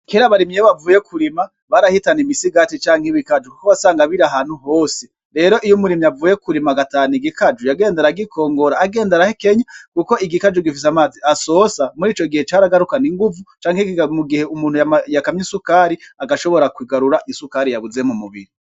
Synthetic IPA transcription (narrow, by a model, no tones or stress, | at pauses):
keɾaβaɾimeβavuːjekʰuɾima | βaɾahitanimisiɡatit͡ʃaːŋhiβikad͡ʒukoβasaːŋɡaβiɾaɦanhuɦo̞ːse | ɾe̞ːɾo̞ʔijumuɾimiavuːjekuɾimaɡataːniɡikad͡ʒujaɡe̞ːndeɾaɡikʰo̞ːŋɡo̞ɾaːɡe̞ːndeɾahekeɲakuko̞ʔiɡikad͡ʒuɡifis̬amaːziʔasosamuɾiːt͡ʃo̞ɡihe̞t͡ʃaːɾaɡaɾukaniŋɡuvut͡ʃaːŋhemuɡihe̞umuːnhujjakamɲisukaɾiaɡaʃo̞βo̞ɾakwiɡaɾuɾaʔisukaɾijaβuzemumuβḭɾi